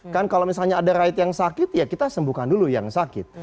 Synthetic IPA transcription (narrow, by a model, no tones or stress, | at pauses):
kankalowmisalɲaːdaɾaɪt̪jaŋsakɪt̪jakit̪asəmbukanduluja̰ŋsakɪ̰t̪̚